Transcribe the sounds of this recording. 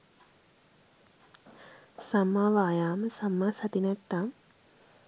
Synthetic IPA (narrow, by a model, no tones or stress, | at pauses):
sɐmːaʋaːjaːmɐsɐmːasɐt̪inɐk̚t̪am